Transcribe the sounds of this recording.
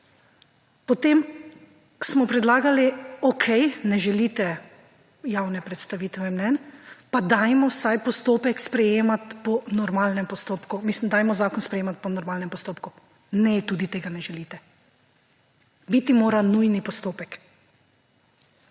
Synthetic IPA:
pɔt̪em | smɔpɾɛd̪laːɡaliɔkʰɛjnɛʒɛlit̪ɛ | jawnɛpɾɛt̪st̪aʋiːt̪ʋɛmnɛnpad̪ajmɔwsajpɔst̪oːpɛkspɾɛjeːmat̪pɔnɔɾmaːlnɛmpɔst̪oːpkumislimd̪aːjmɔzaːkɔnspɾɛjeːmat̪̚pɔnɔɾmalnɛmpɔst̪oːpku | nɛt̪uːd̪it̪eːɡanɛʒɛlit̪ɛ | bit̪imoːɾanujnipɔst̪oːpɛk

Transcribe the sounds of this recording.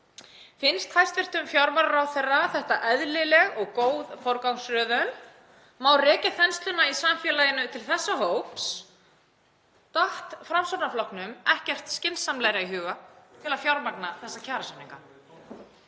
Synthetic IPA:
fɪnst̪hajst̪vɪr̥t̪ʏmfjawɾmaɾɾawθejrːaθɛht̪aʔɛðlɪlɛɣɔɣkoːwðfɔɾkawŋsɾœːðœn | maːwrɛːcɪθɛnst̪lʏnaisamfjɛːlajɪnʏt̪ʰɪlθɛsːaɦoːwps | t̪aht̪fɾamsoɾnaflɔwknʏmɛhcɛr̥t̪scɪnsːamlajɾaiɦʏːɣat̪ʰɪlafjawɾmaknaθɛsːacʰaːɾasʏniŋka

